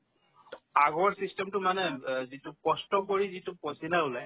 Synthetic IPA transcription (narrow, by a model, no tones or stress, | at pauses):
aɡɔɹsistɛmtʊmanɛzitʊkɔstɔkoɹizitʊpɔsinaʊlaj